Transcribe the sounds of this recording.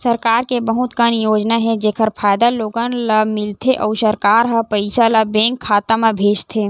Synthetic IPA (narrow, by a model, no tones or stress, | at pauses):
səɾkaːɾkebəɦʊt̪kənjoːd͡ʒnaɦɛd͡ʒeːkʰəɾpʰaːjd̪aloːɡənlamɪlt̪ʰeʔɔːsɐɾkaːɾɦɐpəɪsalabẽːŋkʰːaːt̪amẽbʱeːd͡ʒt̪ʰeː